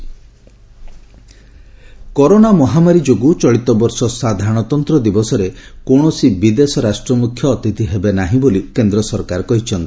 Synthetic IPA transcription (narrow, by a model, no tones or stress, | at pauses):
kɔɾonamɔɦamaɾid͡ʒoɡut͡ʃɔɭit̪ɔbɔɾsɔsad̪ʱaɾɽ̃ɔt̪ɔnt̪ɾɔd̪ibɔsɔɾekoɳ̃ɔsibid̪esɔɾasʈɾɔmukʰjɔːt̪it̪iɦebenaɦĩbolikend̪ɾɔsɔɾkaɾɔkɔɦit͡ʃʰɔnt̪i